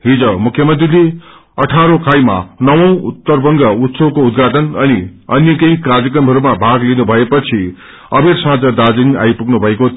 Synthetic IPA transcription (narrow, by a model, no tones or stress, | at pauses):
ɦid͡zʌmukʰːjʌmʌnt̪rile | ʌʈʰaɾokʰajma̰nʌwʌ̃w̃ut̪ːʌrbʌŋɡʌut̪sʌbkoud̪ɡʱaʈʌnʌniʌnjʌkʌjkard͡zjʌkʌmɦʌɾumabʱaɡlinubʱʌepʌt͡sʰi | ʌbeɾsãd͡zʌd̪ad͡zina̰jpuknubʱʌeko